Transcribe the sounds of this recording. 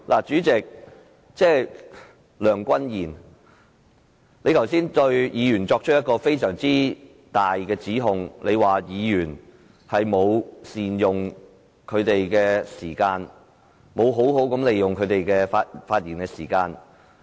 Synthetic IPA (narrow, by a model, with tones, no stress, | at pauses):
lʔaː˨˩t͡ʃyː˨˥t͡sɪ˨k̚ | t͡sɛː˥ | lœː˨˩ŋkʷɐ˥njiː˨˩n | le˨˧jt̪ʰɐ˨˩wsiː˥nt̪ɵ˧ɥjiː˨˧jyː˨˩nt͡sɔː˧k̚t͡ʃʰɵ˥t̚jɐ˥t̚kɔː˧fe˥jsœː˨˩ŋt͡siː˥ | t̪aː˨jkɛː˧t͡siː˨˥ɦʊ˨˧ŋlʔe˨˧jwaː˨˩jiː˨˧jyː˨˩n | hɐ˨jmo˨˧wsiː˨˩njʊ˨ŋ | kʰɵ˨˧t̪e˨jkɛː˧siː˨˩kaː˧n | mo˨˧wɦo˨˥wɦo˨˥wkɐ˨˥mle˨jjʊ˨ŋkʰɵ˨˧ɥt̪e˨jkɛː˧faː˧t̚faː˧t̚jiː˨˩nkɛː˧siː˨˩kaː˧n